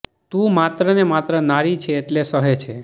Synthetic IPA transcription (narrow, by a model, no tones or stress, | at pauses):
t̪ũmat̪ɾənemat̪ɾənaɾit͡ʃʰeːʈlesəɦet͡ʃʰe